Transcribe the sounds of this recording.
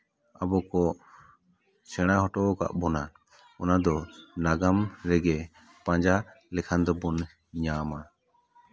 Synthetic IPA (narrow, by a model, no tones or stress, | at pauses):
abɔkɔ | sɛɽ̃aɦɔʈɔʔɔka̰ʔbɔna | ɔnad̪ɔnaɡamɾɛɡɛ | pãɲd͡ʒa | lɛkʰand̪ɔbɔn | ɲama